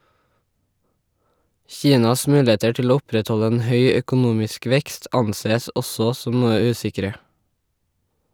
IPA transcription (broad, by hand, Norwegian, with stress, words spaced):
ˈçiːnɑs ˈmʉːˌleːtə ˈʈɪl ˈoː ˈʊpɾɛtˌhɔʎə ˈeːn ˈhœʏ œkʊˈnuːmɪsk ˈʋɛkst ˈɑnˌseːəs ˈʔɔsɔ ˈsɔm ˈnuːə ˈʉːsɪkɾə